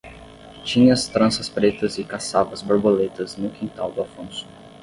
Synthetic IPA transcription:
t͡ʃĩɲɐɐst̪ɾɐ̃sɐspɾet̪ɐzɪkasavɐzboɾbolet̪ɐznʊkĩt̪awd̪ʊafõsʊ̥

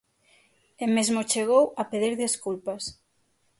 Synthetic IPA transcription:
emezmot͡ʃeɣowɐpeðiɾðiskulpas

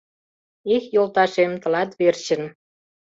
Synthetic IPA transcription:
ixjolt̪ɑʃemt̪ə̆lɑt̪βert͡ɕə̆n

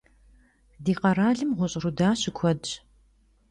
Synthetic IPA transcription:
diːqɐɾaːɮɨmʁʷʊɕʼrudaːɕɪkʷʰɔd

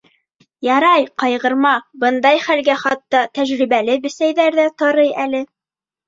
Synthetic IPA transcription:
jɑɾɑjqɑjʁɤ̆ɾmɑbɤnd̪ɑjχælɡæχɑt̪ːɑt̪æʒɾiβælɘbɘ̆sæjðæɾðæt̪ɑɾɤjælɘ

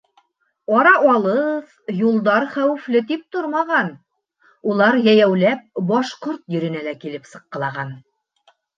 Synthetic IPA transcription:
ɑɾɑʔɑlˠɤð | julˠd̪ɑɾχæwɘ̆flɘt̪ip̚t̪oɾmɑʁɑn | ulˠɑɾjæjæwlæp̚bɑʃqoɾt̪jɵ̆ɾɘ̆nælækilɘpsɤ̆qːɤ̆lˠɑʁɑn

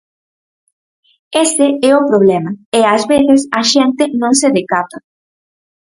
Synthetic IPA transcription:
est̪eɛʊpɾoβlɛmaɪazβeθesaʃent̪ɪnõŋseðekat̪ɐ

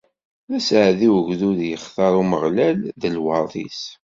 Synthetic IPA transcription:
ðæsʕðiwəʝðuðjəχθɑɾˤuməʁlælðəlwɑðˤḭs

